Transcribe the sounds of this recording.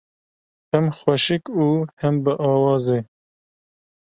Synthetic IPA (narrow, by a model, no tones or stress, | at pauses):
hɛmxwɛʃɨkuːhɛmbɨʔɑːwɑːze